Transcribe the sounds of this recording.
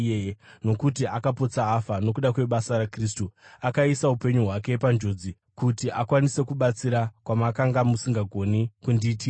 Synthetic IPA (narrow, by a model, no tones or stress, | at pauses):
eno̞kutiakapo̞t͡saːfano̞kuɗakwe̞ɓasaɾakris̬tuakaisaupe̞ɲuɦwake̞pand͡ʒo̞d͡zi | kutiʔakwanise̞kuɓat͡siɾakwamakaŋɡamusiŋɡaɡʱo̞nikundiːti